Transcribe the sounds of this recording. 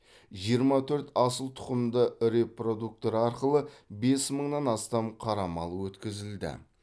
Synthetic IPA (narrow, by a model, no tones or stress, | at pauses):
ʒijəɾmɑt̪ʰɵɾt̪ɑsəlˠt̪ʰʊ̥qəmd̪əɾe̞pro̞d̪uk̚t̪o̞ɾɑɾqəlˠəbe̞sməɴnɑnɑst̪ɑmqʰɑɾɑmɑlˠəwɵt̪kʲɪzɪld̪ɪ̰